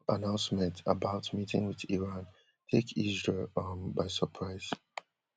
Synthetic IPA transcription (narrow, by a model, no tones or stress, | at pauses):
ənãʊ̃nsmɛ̃ntʰəbaʊtmitʰɪ̰̃ŋwɪðiɹãn | tʰekʰizɹeɔbaɪsəpʰɹaɪz̥